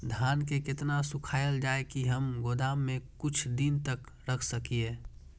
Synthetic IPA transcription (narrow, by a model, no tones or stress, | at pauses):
d̪ʱaːnkekɪt̪nasʊkʰaːjəld͡ʒaːekiɦɐmɡod̪aːmːẽkʊt͡ʃʰd̪int̪ək | ɾɐkʰsəkieː